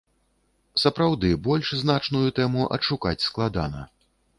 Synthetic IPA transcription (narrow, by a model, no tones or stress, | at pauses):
sɐpɾawd̪ɨbɔlʲʂznat͡ʂnujut̪ɛmuʔɐ̰ʂukat͡sʲsklˠad̪a̰nɐ̰